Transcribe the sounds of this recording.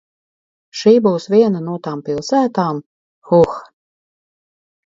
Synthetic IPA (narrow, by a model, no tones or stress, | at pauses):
ʃiːbuwsvʲiɛnanuɔt̪aːmpilˠsæːt̪aːm | xux